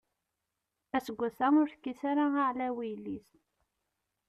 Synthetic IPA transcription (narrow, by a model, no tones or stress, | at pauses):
æsəɡʷːæθæʊɾθkːiθaɾaaʕlæwijlis